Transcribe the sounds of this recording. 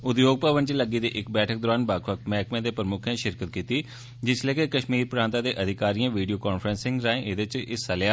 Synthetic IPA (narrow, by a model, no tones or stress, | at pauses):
ʊd̪joːɡ̚pəʋənt͡ʃləɡiːd̪ḛːʔɪkbɛːʈʰəkd̪ɔːɾaːnbaːkʰʋək̚t̪mɛːkmẽːd̪eːpɾəmʊkʰãːʃɪɾkət̪̚kiːt̪iː | d͡ʒɪsleːkekəʃmiːɾpɾãːnt̪ãːd̪eːʔəd̪ʱɪkaːɾiːãːʋiːɖijoːkaːnfʰɾənsɪ̃ŋɡɾaːẽːʔɪd̪et͡ʃɪsəljaː